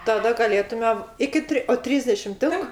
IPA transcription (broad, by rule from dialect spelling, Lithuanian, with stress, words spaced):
tɐˈdɐ ɡɐˈlʲeːtʊmʲɛ ˈɪkʲɪ tʲrʲɪ oː ˈtʲrʲiːzʲdʲɛʃʲɪm ˈtʲɪŋk